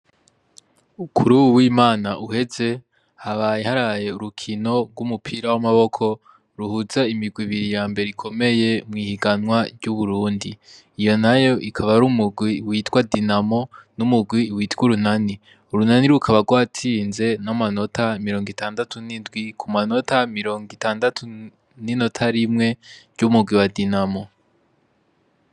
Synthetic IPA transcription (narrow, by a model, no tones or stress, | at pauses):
ukʰuɾuwuwiːmaːnaʔuhe̞ze̞ | haβaːjehaɾaaje̞uɾukʰino̞ɾɡumupʰiːɾawamaβo̞kʰo̞ | ɾuhuzaimiɡwiβiɾijaːmbe̞ɾeikʰo̞me̞je̞mŋiːhiɡanwaɾɟuβuɾuːndiː | jo̞najo̞ʔikʰaβaɾumuɡwiwiːtɡwadinamo̞numuɡwiwiːtɡwuɾunani | uɾunaniɾukʰaβaɡwaːtʰiːnze̞namano̞tʰamiɾo̞ːŋɡitaːndatʰunindɡwikʰumano̞tamiɾo̞ːŋɡitaːndatʰu | nino̞tʰaɾimŋe̞ɾɟumuɡwiwadinamo̞